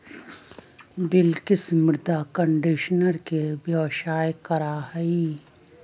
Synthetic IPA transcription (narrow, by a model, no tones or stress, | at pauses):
bɪlkɪsmʊɾd̪akə̃ɳɖɪʃnəɾkebjoːʃaːjkɐɾaɦəi